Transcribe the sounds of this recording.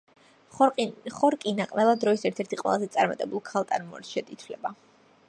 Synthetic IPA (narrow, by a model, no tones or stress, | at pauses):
χɔɾkʼinaqʼnɛvad̪ɾɔisɛɾt̪ʰɛɾt̪ʰiqʼwɛ̰lˠazɛt̪sʼaɾma̰t̪ʼɛbulˠkʰalˠt̪ʼanmɔ̰ɾt̪ʃɛt̪ʼit̪ʰwlɛba